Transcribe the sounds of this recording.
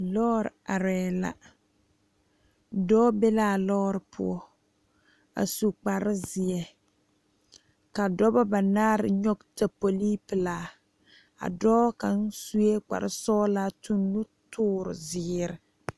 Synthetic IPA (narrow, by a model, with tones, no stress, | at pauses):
lɔː˦ɾ̰a˨ɾɛː˨la̰˨ | dɔː˦bɛ˦laː˦˨lɔː˦ɾɨ˨pʰʊ̰˦ɔ˦ | a̰˨su˨k͡pa˨ɾɪ˦zɪ˨ɛ˨ | ka˨dɔ˦ba˦ba˨naː˦ɾɪ̰˨ɲɔ˦ɡta˨po˨li˦pɨ˨laː˨ | a̰˨dɔː˦ka˨n˦su˦e˦k͡pa̰˨ɾɪ̰˦sɔː˦la˦tu˦nːu˦tʰʊː˦ɾɪ̰˨zɪ˨ɾɪ˨